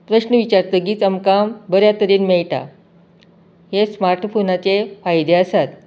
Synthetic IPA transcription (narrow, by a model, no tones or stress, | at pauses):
pɾəɕnəʋit͡ɕaɾt̪əɡiːt͡səmkambəɾjat̪əɾiːnmeɭʈa̰ | ɦesmaɾʈfonat͡sefajd̪eəsat̪